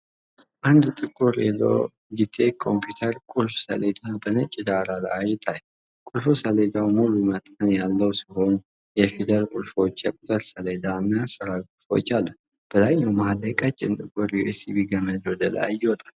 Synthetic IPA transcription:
ʔand̪t̪ʼɨkʼːuɾɛ̰lo̰ | ɡit̪ʰːekʰo̞̰mpjut̪ʰəɾkʼulfsə̰led̪abənət͡ʃʼːid̪aɾaləajɪt̪ʰaj | kʼulfusəled̪awmulumət̪ʼənjalːəwsiho̞n | jɛfid̪əɾkʼulfo̞t͡ʃːjɛkʷʼut̪ʼəɾsəled̪anːasəɾawikʼulfo̞̰t͡ʃːalːu | b̥əzaɲːawmahləkʼat͡ʃʼːɪnt̪ʼɨkʼuɾjuʔesibiɡəməd̪wɔd̪əla̰jɪwɔt̪ʼḁl

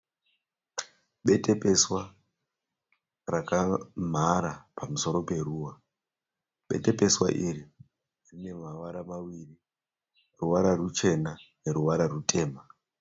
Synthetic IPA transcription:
ɓe̞te̞pe̞swa | rakam̤aɾapamuso̞ɾo̞pe̞ruːwa | ɓe̞̰te̞pe̞swa̰ʔiri | rine̞maʋaɾamawiri | ruʋaɾarut͡ʃe̞nane̞ɾuʋaɾarutʰe̞ːma

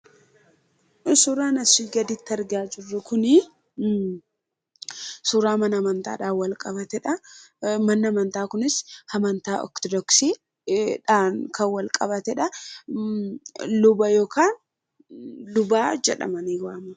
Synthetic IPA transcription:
suːɾaːnɐsiɡɐd̪ɪt̪ːɐɾɡɪaːd͡ʒɪrːʊkʊnɪ | suːɾaːmɐnɐmɐnt̪a̰ːᶑaːwɐlkʼɐbɐt̪ɛᶑɐmɐnːɐmɐnt̪aːkʊnɪshɐmɐnt̪aːʔɔ̰kt̪ɔd̪ɔksiː | ᶑaːnkʰɐwɐlkʼɐbɐt̪ɛᶑɐ | lʊbɐjo̞ːkʰaːn | lʊbaːd͡ʒɛᶑɐ̰mɐniːwaːmɐ

